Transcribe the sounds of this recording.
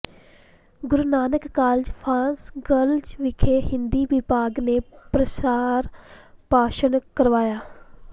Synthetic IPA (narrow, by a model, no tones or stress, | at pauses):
ɡʊɾnaːnəkːaːld͡ʒpʰaːnsɡəld͡ʒʋɪkʰeːɦɪnd̪iːʋɪpaːɡneːpɾəsaːɾpaːʃənkəɾʋaːjaː